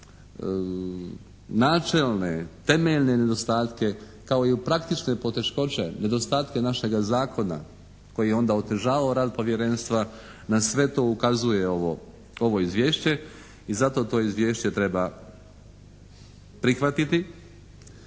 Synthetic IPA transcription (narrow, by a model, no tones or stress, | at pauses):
naːt͡ʃe̞lnet̪e̞meʎne̞ne̞d̪o̞st̪aːt̪ke̞ | kao̞iupɾakt̪it͡ʃne̞po̞t̪e̞ʃko̞t͡ʃe̞ne̞d̪o̞st̪aːt̪ke̞naʃe̞ɡazaːkʰo̞na̰ | ko̞jijeo̞nd̪ao̞t̪e̞ʒaːʋaoɾaːd̪̚po̞ʋje̞ɾe̞nst̪ʋa | nasʋe̞t̪o̞ːukazuje̞oʋo | o̞ʋo̞izʋjeːʃt͡ɕe̞ | izat̪o̞t̪o̞ːizʋje̞ːʃt͡ɕe̞t̪ɾe̞ba | pɾixʋat̪it̪i